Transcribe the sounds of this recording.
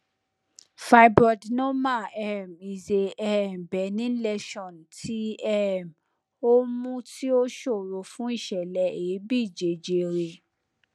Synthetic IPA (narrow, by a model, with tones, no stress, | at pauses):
fa˧i˦bɾɔ˧dnɔ̃˦ma˦˨ɛ˦˨mi˨ze˨ɛ˦ɛ˨m˨bɛ˨˦nĩ˦lɛ˧ʃɔ̃˦˨n˨tʰi˦ɛ˦ɛ˨m | o˦mũ˦ti˦o˦ʃo˦˨ɾo˧˨fũ˦i˦˨ʃɛ˨lɛ˨˧ʔe˨˦bi˦˨d͡ʒe˨d͡ʒe˧ɾe˧˨